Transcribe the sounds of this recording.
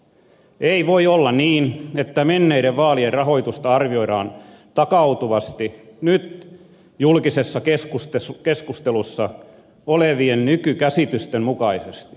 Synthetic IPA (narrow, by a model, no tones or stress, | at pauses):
eiʋoiolːɑniːnet̪ːæmenːeiɾeʋʋɑːlierrɑɦo̞it̪ust̪ɑɑrʋioiɾɑ̰ːn | t̪ɑkɑut̪uʋɑst̪inyt̪ | julkisesːɑkeskust̪eskeskust̪elusːɑ | oleʋiennykykæsit̪yst̪emmukɑisest̪i̥